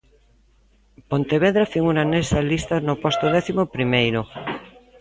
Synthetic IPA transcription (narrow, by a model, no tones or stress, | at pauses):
pont̪eβeðɾafiŋunanesalist̪anopost̪oðɛθimopɾimejɾo